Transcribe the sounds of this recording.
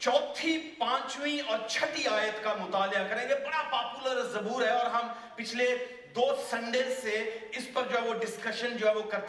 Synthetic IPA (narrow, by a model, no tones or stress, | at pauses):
t͡ʃɔːt̪ʰipãːt͡ʃwĩɔːɾt͡ʃʰɐt̪iaːjət̪kamʊt̪aːljakɐɾẽɡebɐɽapaːpuləɾzɐbuːɾɦɛɔːɾɦɐm | pɪt͡ʃʰle | d̪oːsɐ̃ɳɖẽseɪspɐɾd͡ʒoːɦɛʋoɖɪskəʃənd͡ʒoːɦɛʋokɐɾt̪